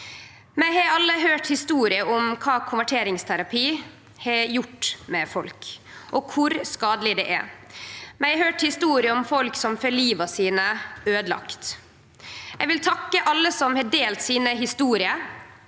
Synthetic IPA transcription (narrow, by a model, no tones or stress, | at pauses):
mɛɪhɑɑlːəɦøːʈhɪst̪uːɾɪəʔʊmkʰɑːkʰʊnʋæʈʰeːɾɪŋst̪ʰæɾɑpʰiː | hɑjʊʈːmɛfɔlkʔɔkʰʊɾskɑːd̪əlɪd̪ɛ̰ʔæ̰ɾ | mɛɪhøːʈhɪst̪uːɾɪəɔmfɔlksɔmfœliːʋɑsiːnəøːd̪lɑ̰kt̪ | jɛʋɪlt̪ʰɑkːəʔɑlːəsɔmhɑːɖeːlt̪siːnəɦɪst̪uːɾɪə